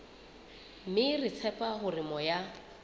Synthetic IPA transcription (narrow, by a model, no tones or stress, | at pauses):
mɪrɪt͡sʰɛpʼaɦʊrɪmɔja